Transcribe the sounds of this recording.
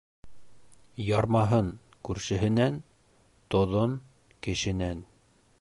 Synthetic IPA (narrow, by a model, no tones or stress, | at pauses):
jɑɾmɑɦɤn | kʉɾʃɘ̆ɦɘ̆næn | t̪ŏðon | kɘ̆ʃɘ̆næn